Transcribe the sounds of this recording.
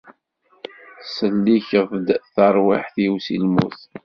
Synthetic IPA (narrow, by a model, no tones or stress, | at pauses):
səlːiçəvd̪θəɾˤwaħθwsḭlmṵθ